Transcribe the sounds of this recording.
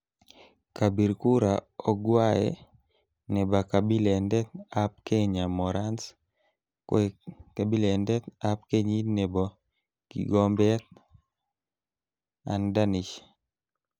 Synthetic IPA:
ka˨bi˨ɾku˦ɾa˨ɔ˦ɡwa˦ɛ̰ | nɛ˨ba˨ka˨bi˦lɛ˨ndɛ˦t̪̚a˦p̚ke˦ɲa˨mɔ˨ɾa˦ns | kka˨bi˦leɛ˨ndɛ˦t̪a˦pke˦ɲi˦nɛ˨bɔ˨ | kḭ˨ɡɔ˦mbɛ˦t̪̚ | a̰˨nda˦ni˨ʃ

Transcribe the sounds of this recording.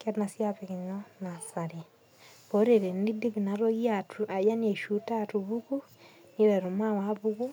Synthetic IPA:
ke˦ɾna˨sjapeki˨ɲɔ˦na˨sa˨ɾi˨ | βo˨˦ɾe˨ɾe˨ni˦di˦βi˨na˨ɾo˦ɣi˦a˨tu˨ʔa˨ja˦ne˨ʃu˨˦ta˦tu˨βu˦ku˦ | ni˦ɾɛ˨ɾu˨ma˦wa˦βu˦ku˦

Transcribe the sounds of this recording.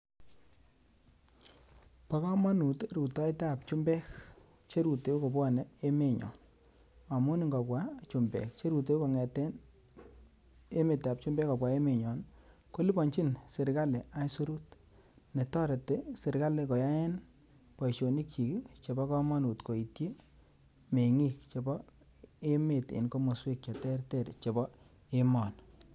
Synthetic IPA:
pa˦kɔ˦ma˦nu˨te˦ɾu˨tɔ˦e˦ta˦a˨pt͡ʃu˦mbɛ˦k | t͡ʃe˦ɾu˨te˨u˦kɔ˨bwɔ˦ne˦e˦me˨ɲɔ̰˨n | a˨mʊ˦ni˦ŋɡɔ˨pwa˦t͡ʃu˨mbɛ̰˨k̚t͡ʃe˦ɾu˨t̬e˦u˦kɔ˨ŋɛ˨tɛ˦n | e˦me˨ta˨p̚t͡ʃu˦mbɛ˦kɔ˨p̬wa˨e˦me˨ɲɔ˨n | ko˦li˦bɔ˨nt͡ʃi˦nse˨ɾka˦le˨a˨˦jsu˦ɾu˦t̚ | ne˨tɔ˦ɾe˨te˦se˨ɾka˦le˨ko˨ja˦e˦n | pɔ˨i˨ʃo˨ni˦kt͡ʃi˨ki˦t͡ʃe˨bɔ˦kɔ˦mɔ˦nu˨tko˨i˨tji˦ | me˨ŋi˦k̚t͡ʃe˨bɔ˦ | e˦me˨tḛ˨nko˦mo˨swe˦˨k̚t͡ʃa˨tɛ˦ɾte˦ɾt͡ʃe˨bɔ˦ | e˦mɔ˨n

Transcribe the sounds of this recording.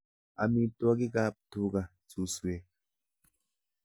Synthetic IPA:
a̰˨mi˦t̪u˦a˦ɡi˦ɡa˦p̚t̪u˦ɡa˨ | t͡su˨swe˨

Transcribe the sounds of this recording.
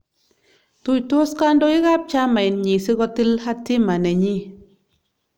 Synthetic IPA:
tu˧jto˦ska˦ndo˧˦i˦ɣa˦p̚t͡ʃa˦ma˨jnɲi˨si˦ɡɔ˧˦ti˦lha˦tːi˦ma˨ne˨ɲi˦

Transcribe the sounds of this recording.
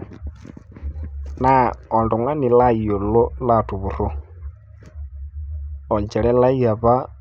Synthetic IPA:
na˨ɔ˨ndu˨ŋa˦ni˨la˦˨jo˨lo˦la˦˨tu˨βu˨ɾo˦˨ | o˨ɲd͡ʒɛ˨ɺɛ˦la˦ja˨βa˦

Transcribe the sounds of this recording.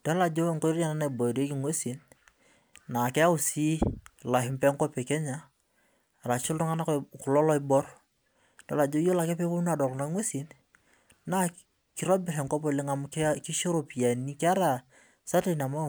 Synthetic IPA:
d̥ɔ˦la˨d͡ʒo˦ŋko˦ɾa˨na˦na˨i˨bɔ˨de˦ki˨ŋwe˦si˨n | na˨kɛ˦a˦u˦˨si˦la˨ɦɪ˦mpɛ˦ŋko˦pe˨kɛ˦ɲa˦˨ | ɾa˨t͡ʃɪ˦lɾu˦ŋa˦na˦ku˨lɔ˦lɔ˦i˦bɔ˦ɾ | dɔ̰˨la˨d͡ʒo˦jo˦la˨kɛ˦pe˦ko˦na˦˨dɔ˨kna˦kŋwe˦si˨n | na˦ | ki˨ɾɔ˦bɪ˨ɾɛ˨ŋko˦p̬o˨lɪ˦ŋa˨m˦kki˦ʃo˦ɾo˨pi˨a˨ni˦ka˦ɾa˨ | sa˦te˦˨na˨ma˦˨

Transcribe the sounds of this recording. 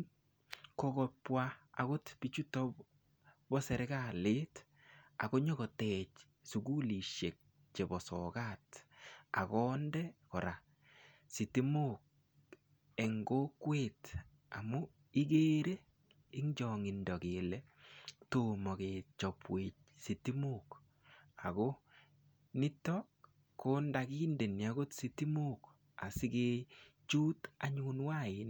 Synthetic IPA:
kɔkɔ˨pwaa̰˨kʊ˦tpit͡ʃu˦tɔ˦ | bɔ˦sɛ˨ɾe˦ɡale˦t | a̰˨ko˦ɲɔ˦kɔ˨tɛt͡ʃ | suɡu˦li˨ʃe˨k̚ | t͡ʃe˨bɔ˨sɔkata̰˨kɔ˦ndɛkɔ˨ɾa | si˨ti˦mok̚ | e˨ŋɡo˦kweːt | a̰˨mu˦ | i˦ɡe˦ɾe˦ | ɪ˦ŋd͡ʒɔŋi˨ndɔ˨kelɛ˦to˨mɔ˨keːt͡ʃɔ˨pweː˨t͡ʃ̚ | si˨ti˦muk | a˨ko˦ | nɪ˦tɔ | ko˦ndakiː˦nde˨nja˦ɡo˦tsiti˦mu˦k | a̰˨sɪ˦ke˦t͡ʃuː˦taɲunwa˦ɪn

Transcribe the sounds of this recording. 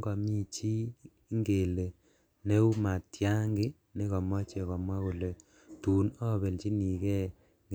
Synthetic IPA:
ɡɔ˨mi˦t͡ʃi˦ | ŋɡe˨le˨ | ne˦u˦ma˨tja˦ŋɡɪ˦ | ne˦kɔ˨mwɔ˦t͡ʃɛ˨kɔ˨mwa˦ku˨le˨ | tu˨nɔ˦˨be˨lt͡ʃi˦ni˨kɛ˦ | ŋ

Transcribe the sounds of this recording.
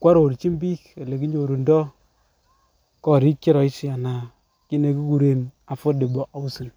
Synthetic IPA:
kwa˦ɾo˨ɾt͡ʃi˦mbi˦ke˨le˨ki˦ɲo˨ɾu˨ndɔ˦ | kɔ˦˨ɾi˦kt͡ʃɪ˦ɾɔ˨ɪ˦sɪ˦a˨na˨ | ki˦ne˨ki˦ku˨ɾe˨n | a˨fo˦de˨bɔ˨ʔa˦u˦si˨

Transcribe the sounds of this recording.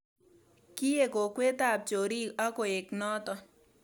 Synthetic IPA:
ki˦je˦˨ko˨kwe˦t̪a˦˨p̚t͡ʃo˨ɾi˦a˦ko˨e˨knɔ˦t̪ɔ˦

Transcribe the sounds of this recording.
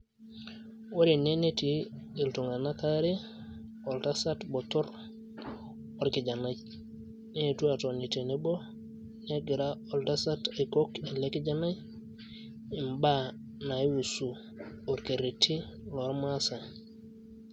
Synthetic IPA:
o˦ɾi˨ne˦ne˦ti˨i˨ltu˨ŋa˨na˦ka˦ɾe˦ | ɔ˨lta˦sa˦tbo˨tɔ˦ɾ | o˨ɾkɪ˨d͡ʒa˨na˦j | ne˦e˨tu˦a˨to˨ni˨te˨ne˨˦bo˦ | ne˦ɡɪ˨ɾa˦o˨lta˦sa˦ta˨i˨ko˦ke˨le˦ki˦d͡ʒa˦na˦j | ɪ˨mba˦ | na˨i˦wu˨su˨ | o˨ɾke˨ɾi˨tʰi˦lɔ˨ɾma˦sa˨

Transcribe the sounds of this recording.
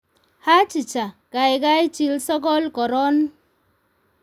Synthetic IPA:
ha˦t͡ʃi˨t͡ʃa˨ka˨jɡa˦i˦t͡ʃi˦lsɔ˦kɔ˦lkɔ˨ɾɔ˦n

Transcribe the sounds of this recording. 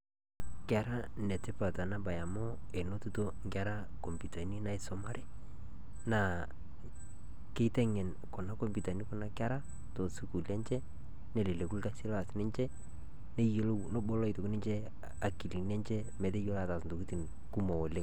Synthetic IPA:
kɛ˨ɾa˦nɛ˨tɪ˦pa˨ta˨na˦ba˨ja˨mɔ˦e˨no˦tu˦to˦ŋɡa˦ɾa˦ | ko˨mpi˨ta˨ni˦na˦ɪ˦sɔ˦ma˦ɾɛ˦ | na˨ | ke˦tɛ˦ŋɛ˨n | kɔ˨na˦ko˦mpi˨ta˨ni˦kɔ˦na˦ka˦ɾa˦ | to˨su˦ku˨lɛ˦ɲt͡ʃɛ˦ | nɛ˨le˨le˨ku˦lka˦si˦lɔ˦a˨sɪ˦nɪ˦nt͡ʃɛ˦ | ne˦jo˦lo˦no˦bo˦lɔ˦ɪ˨to˨knɪ˦ɲt͡ʃɛ˦ | a˨ki˨li˨nɛ˦ɲt͡ʃɛ˦mɛ˨te˦jo˦la˦˨ta˨sn̩do˨ki˦ti˨n | ku˦mo˨o˨le˦ŋ

